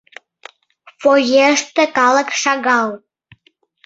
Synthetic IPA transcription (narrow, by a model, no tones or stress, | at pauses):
fojeəʃt̪ĕkɑlˠə̆kʃɑɣɑw